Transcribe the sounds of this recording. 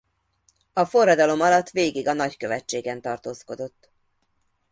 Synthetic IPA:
ɒfo̞rːɒd̪ɒlo̞mɒlɒt̪ːʋeːɡiɡɒnɒckø̞vɛt͡ʃːeːɡɛnt̪ɒrt̪oːsko̞d̪o̞t̪ː

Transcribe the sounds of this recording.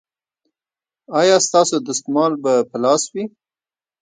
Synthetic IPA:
ɑjɑst̪ɑsod̪əskmɑlbapəlɑswi

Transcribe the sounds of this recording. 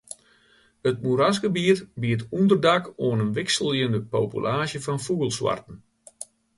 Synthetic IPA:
ət̚muɾasɡəbiətbiət̬undərdakoənənʋɪksəlˠjəndəpo̰ːpy̰lʔaːʃjəfɔnfuɣəlˠswa̰rtən̩

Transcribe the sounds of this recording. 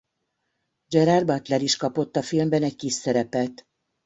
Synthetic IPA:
d͡ʒɛɾarbɒt̪lɛɾiʃkɒpo̞t̪ːɒfilmbɛnɛc̚kiʃːɛɾɛpɛt̪

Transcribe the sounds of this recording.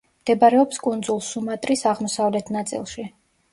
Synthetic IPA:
md̪̥ɛbaɾɛɔpskʼund̪zulˠsumat̪ʼɾisaʁmɔsavlɛt̪ʰnat̪sʼḭlˠʃi

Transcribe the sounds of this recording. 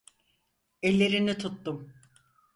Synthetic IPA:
ɛlʲːe̞ɾinit̪ʰut̪ːum

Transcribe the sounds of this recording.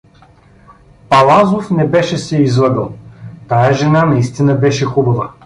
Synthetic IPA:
pɐlˠazofnɛbɛʃɛsɛizlˠɤbɛlˠt̪ajəʒɛnanɐist̪inəbɛʃɛxubɐvə

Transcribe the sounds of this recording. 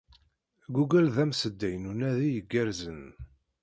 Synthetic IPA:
ɡuɡælðæmsəd̪ːæjnunæðijəɡːæɾzən

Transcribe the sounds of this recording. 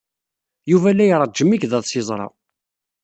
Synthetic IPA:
juvælːæjɾˤd͡ʒːəmːikðɑðˤsizˤɾˤɑ̰

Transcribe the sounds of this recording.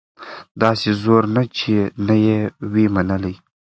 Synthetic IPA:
d̪ɑsezoɾnat͡ʃʰenajewemanəlij

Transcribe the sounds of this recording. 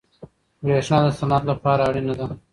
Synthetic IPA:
ɡɾeʂnɑːd̪əsanat̪lapɑːɾaːɽinad̪a

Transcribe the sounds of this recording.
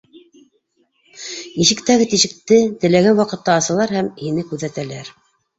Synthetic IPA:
iʃɘ̆kt̪æɡɘt̪iʃɘ̆k̚t̪ɘt̪ɘ̆læɡænwɑqɤ̆t̪ːɑːsɤ̆lˠɑɾhæmhinɘkʉðæt̪ælæɾ

